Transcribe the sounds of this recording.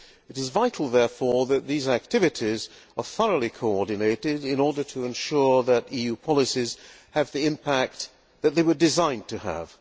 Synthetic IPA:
ɨɾɨzvaɪɾʰˡl̩ˠðɛɹfɔɹðɨt̪̚ðizæk̚tʰɪvɨɾiz | ə˞θʌɹəlˠikʰoʊɔɹdⁿn̩eɪɾɪɾɪ̃nɔɹdə˞ɾɨɨ̃nʃʊɹðɨɾijʉpʰɑlˠəsiz̥ | ɨvðiɪ̃mpʰæk̚t̪̚ | ðɨt̪̚ðeɪwə˞dɨzãɪ̃ntʰɨə̰v̥

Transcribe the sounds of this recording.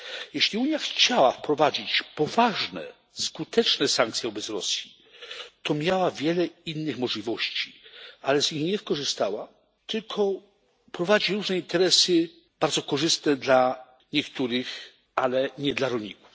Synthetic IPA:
jɛɕlʲiuɲjaxt͡ɕawafpɾɔvad͡ʑit͡ɕpɔvaʐnɛ̰ | skut̪ɛt͡ʂnɛsaŋkt̪sʲjɛɔbɛt̪sɾɔ̰sʲji | t̪ɔmʲjawavʲjɛlɛinːɘxmɔʐlʲivɔɕt͡ɕi̥alɛzɲixɲɛskɔʐɘst̪awa | t̪ɘlkʰɔ | pɾɔvad͡ʑiɾuʐnɛint̪ɛɾɛsɘ | b̥aɾd̪zɔkɔʐɘst̪nɛd̪la | ɲɛkt̪uɾɘx | alɛɲɛd̪laɾɔlɲiku̥f

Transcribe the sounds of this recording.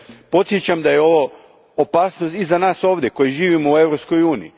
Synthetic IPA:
po̞t̪sjet͡ɕamd̪ajeo̞ʋo̞ː | paːsnost̪izanaːso̞ːʋd̪ʲje̞ko̞jiʒiːʋimoue̞ʋɾo̞psko̞juːnii

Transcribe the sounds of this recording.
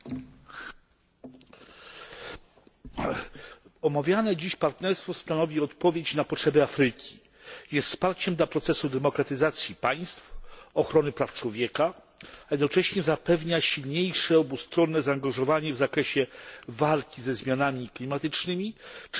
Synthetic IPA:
ɔmavʲjanɛd͡ʑiɕpaɾt̪nɛɾst̪fɔst̪anɔvʲiɔt̪pɔvʲjet͡ɕnapɔtʂɛbɛafɾɘkʲi̥ | jɛst̪spaɾt͡ɕɛmd̪lapɾɔt̪sɛsud̪ɛmɔkɾat̪ɘzat̪sʲjipaj̃st̪fɔxɾɔnɘpɾaft͡ʂwɔvʲjɛka | jɛd̪nɔt͡ʂɛɕɲɛzapɛvɲaɕilɲejʂɛɔbust̪ɾɔnːɛzaːŋɡaʐɔvaɲɛvzakɾɛɕɛvalkʲizɛzmʲjanamʲiklʲimat̪ɘt͡ʂnɘmʲit͡ʂ

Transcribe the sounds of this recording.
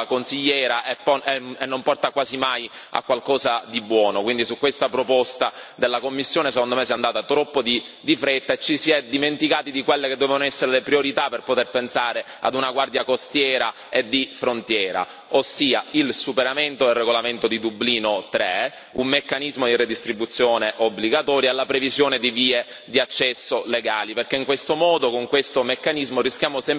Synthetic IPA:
konsiʎːɛːɾaʔepːɔɛenːompɔrt̪akwaːzimaj | a̰kwalkɔːzad̪ibːwɔːnokwind̪isukːwest̪apɾopɔst̪ad̪elːakomːisːjoːnesekond̪omesiɛand̪aːt̪at̪ɾɔpːod̪i | d̪ifɾet̪ːaet͡ʃːisiɛd̪ːiment̪ikaːt̪id̪ikwelːeked̪ːɛvevonoɛsːeɾelepɾioɾit̪aperpot̪erpensaːɾea̰d̪unaɡward̪jakost̪jɛːɾa | ed̪ifɾont̪jɛːɾa̰ | osːiːailsupeɾament̪oelreɡolament̪od̪id̪ubliːnot̪ɾɛ | umːekːanizmod̪ired̪ist̪ɾibːut̪sːjoːneʔobːliɡat̪ɔːɾjaalːapɾevizjoːned̪iviːe | d̪iat͡ʃːɛsːoleɡaːliperkeiŋkwest̪omɔːd̪okoŋkwest̪omekːanizmorisk̟jaːmosɛm

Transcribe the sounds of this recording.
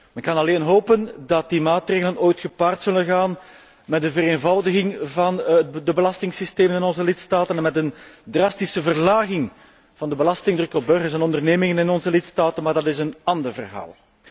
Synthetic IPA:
mɛnkɑnɑleːnɦoːpəndɑt̚dimaːtreːɣələnoːjtxəpaːrtsɵlənɣaːn | mɛd̚əvəɾeːnvɑwdəɣɪŋvɑndəbəlɑstɪŋsisteːmənɪnɔnzəlɪtstaːtənɛnmɛtəndrɑstisəvərlaːɣɪŋ | v̥ɑndəbəlɑstɪŋdrɵkɔb̚bɵrɣərsɛnɔndərneːmɪŋənɪnɔnzəlɪtstaːtənmaːrdɑtɪsənɑndərvərɦa̰ːlˠ

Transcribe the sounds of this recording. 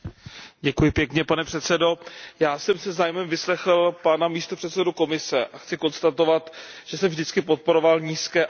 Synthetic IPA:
ɟɛkujɪpjɛkɲɛpanɛpr̝̥ɛt̪sɛdo̞jaːsɛmsɛzaːjmɛmvɪslɛxl̩panamiːst̪o̞pr̥ɛt̪sɛduko̞mɪsɛʔaxt͡sɪko̞nst̪at̪o̞vat̪ʒ̥ɛsɛmvʒdɪt͡skɪpo̞t̪̚po̞ɾo̞valɲiːskɛː

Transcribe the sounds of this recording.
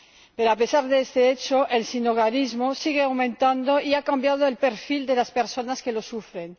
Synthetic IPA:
pe̞ɾoape̞saɾðeest̪eet͡ʃoʔe̞lsinoɣaɾizmo̞siɣ̞eawmẽnt̪and̪o̞iakambjað̞oe̞lpe̞ɾfild̪e̞laspe̞ɾso̞naske̞lo̞sufɾe̞n

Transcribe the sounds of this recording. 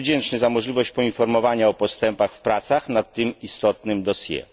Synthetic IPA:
vd͡ʑɛnt͡ʂnɘzamɔʐlʲivɔɕt͡ɕpɔinfɔɾmɔvaɲaɔpɔst̪ɛmpaxfpɾat̪saxnat̪ːɘmist̪ɔt̪nɘmd̪ɔsʲjɛ̰

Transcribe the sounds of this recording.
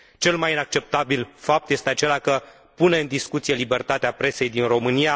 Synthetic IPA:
t͡ʃe̞lmajinak̚t͡ʃe̞p̚t̪abilfap̚t̪je̞st̪eat͡ʃe̞lakə | pune̞ɨnd̪iskut̪sije̞libe̞rt̪at̪eapɾe̞se̞jd̪inro̞mɨnija

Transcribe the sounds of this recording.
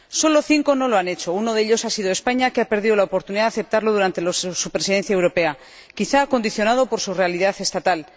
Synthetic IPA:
so̞lo̞θiŋko̞no̞lo̞ane̞t͡ʃo̞uno̞ðeʎo̞sasið̞oe̞spaɲakeape̞ɾð̞iðo̞laopo̞ɾt̪uniðaðaθe̞p̚t̪aɾlo̞ð̞uɾant̪e̞losupɾe̞siðe̞n̟θjae̞wɾo̞pe̞a | kiθaːko̞nd̪iθjo̞nað̞o̞po̞ɾsure̞aliðaθe̞st̪at̪al

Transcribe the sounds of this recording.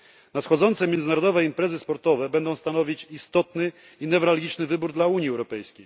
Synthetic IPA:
nat̪xɔd̪zɔnt̪sɛmʲjɛnd̪zɘnaɾɔd̪ɔvɛimpɾɛzɘspɔɾt̪ɔvɛbɛnd̪ɔ̃w̃st̪anɔvʲit͡ɕist̪ɔt̪nɘ | inɛvɾalɡʲit͡ʂnɘvɘbuɾd̪lauɲjiɛwɾɔpɛjskʲej

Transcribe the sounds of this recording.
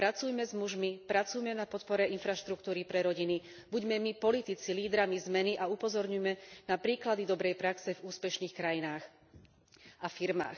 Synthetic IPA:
pɾat͡sujmɛzmuʒmipɾat͡sujmɛnapɔt̪pɔɾɛʔinfɾaʃt̪ɾukt̪uːɾipɾɛɾɔɟini | buɟmɛmipɔlit̪it͡siliːd̪ɾamizmɛniʔaupɔzɔɾɲujmɛnapɾiːklad̪id̪ɔbɾɛjpɾaksɛvuːspɛʃniːxkɾajinaːx | afiɾma̰ːx

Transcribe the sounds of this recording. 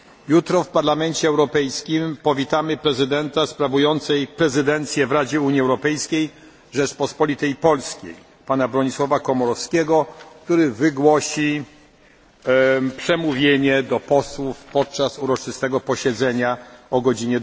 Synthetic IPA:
jut̪ɾɔfpaɾlamɛnt͡ɕɛːwɾɔpɛjskʲimpɔvʲit̪amɘpɾɛzɘd̪ɛnt̪aspɾavujɔnt̪sɛjpɾɛzɘd̪ɛnt̪sʲjɛvɾad͡ʑɛuɲiɛwɾɔpɛjskʲej | ʐɛt͡ʂpɔspɔlʲit̪ɛjpɔlskʲḛj | panabɾɔɲiswɔvakɔmɔɾɔfskʲeɡɔk̚t̪uɾɘvɘɡwɔɕi | pʂɛmuvʲjeɲɛd̪ɔpɔswufpɔt̪̚t͡ʂasuɾɔt͡ʂɘst̪ɛɡɔpɔɕɛd̪zɛɲaɔɡɔd͡ʑiɲɛd̪

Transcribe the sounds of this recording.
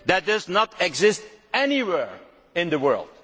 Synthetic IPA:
ðæt̚dʌznətɛɡzɪstɛniwɛɹ | ɪ̃nðəwɜ̰˞lˠd̥̚

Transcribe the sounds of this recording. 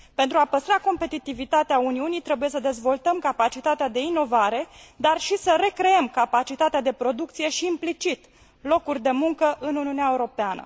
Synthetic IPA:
pent̪ɾuapəst̪ɾako̞mpe̞t̪it̪ivit̪at̪eauniunijt̪ɾe̞buje̞səd̪e̞zvo̞lt̪əmkapat͡ʃit̪at̪ead̪e̞ino̞vaɾe̞d̪arʃisəɾe̞kɾe̞emkapat͡ʃit̪at̪ead̪e̞pɾo̞d̪uk̚t̪sije̞ʃiːmplit͡ʃit̪ | lo̞kurʲd̪e̞muŋkəʔɨnuniuneaeuɾo̞peanə̰

